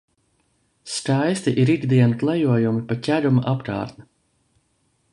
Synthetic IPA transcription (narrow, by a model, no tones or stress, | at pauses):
skajst̪iʔiɾiɡd̪iɛnuklˠɛjuɔjumipacʲæʎumaʔapka̰ːɾt̪na